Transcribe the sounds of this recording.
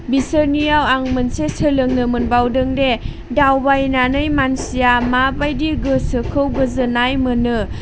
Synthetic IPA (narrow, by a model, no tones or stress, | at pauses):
bisəɾnijawaŋmɯnsesɯlɯŋnɯmɯnbawdɯŋde | dawbajnanɯjmansijamabajdiɡɯsɯkʰɯwɡɯzɯnajmɯnɯ